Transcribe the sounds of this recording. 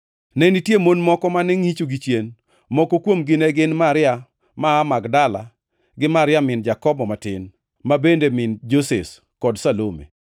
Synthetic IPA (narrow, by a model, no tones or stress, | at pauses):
nɛnitjemonmɔkɔmanɛŋit͡ʃoɡit͡ʃjen | mɔkɔkwomɡɪnɛɡɪnmaɾɪa | maːmaɡdala̰ | ɡɪmaɾɪjamɪnd͡ʒakɔbɔmatɪn | mabendemɪnd͡ʒoses | kɔdsalomḛ